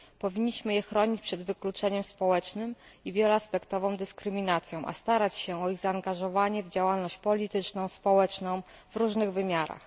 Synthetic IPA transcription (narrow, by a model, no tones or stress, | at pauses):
pɔvʲiɲːiɕmɘjɛxɾɔɲit͡ɕpʂɛd̪vɘklut͡ʂɛɲɛmspɔwɛt͡ʂnɘmivʲjɛlɛaspɛkt̪ɔvɔ̃w̃d̪ɘskɾɘmʲinat̪sʲjɔ̃w̃ʔa̰st̪aɾat͡ɕɕɛɔiɣzaːŋɡaʐɔvaɲɛvd͡ʑawalnɔɕt͡ɕpɔlʲit̪ɘt͡ʂnɔ̃w̃spɔwɛt͡ʂnɔ̃w̃vɾuʐnɘɣvɘmʲjaɾa̰x